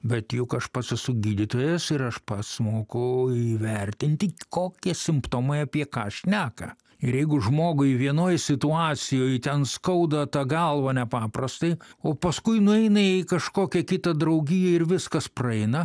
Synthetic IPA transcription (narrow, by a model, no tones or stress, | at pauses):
bʲɛt̪jʊkɐʃpɐt̪sɐsʊɡʲiːd̪ʲɪt̪oːjɛsɪɾɐʃpɐt̪smoːkʊiʋʲɛrʲt̪ʲɪnʲt̪ʲɪkoːkʲiɛsʲɪmpt̪oːmɐɪɐpʲiɛkɑ̰ːʃʲnʲæːkɐ̰ | ɪɾjɛɪɡʊʒmoːɡʊɪʋʲiɛnoːjsʲɪt̪ʊɑːt͡ssʲɪjoːjt̪ʲɛnskɐʊd̪ɐt̪ɑːɡɐlˠʋɐnʲɛpɑːprɐst̪ɐɪoːpɐskʊɪnʊɛɪnɐɪkɐʃkoːkʲɛkʲɪt̪ɐd̪ɾɐʊɡʲijɛɪɾʋʲɪskɐsprɐɛɪnɐ